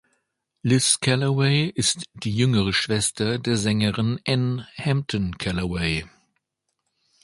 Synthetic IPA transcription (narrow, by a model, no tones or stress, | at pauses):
lɪskʰɛlɐweɪɪstd̥iːjʏŋəʁəʃv̥ɛstɐdeːɐzɛŋəʁɪnʔɛnhɛmp̚tʰɔnkʰɛləweɪ